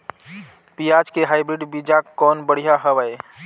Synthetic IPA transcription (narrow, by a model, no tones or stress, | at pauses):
piad͡ʒkeɦaɪbɾiɖbid͡ʒaɔːnbəɽ̤ijaɦəʋəj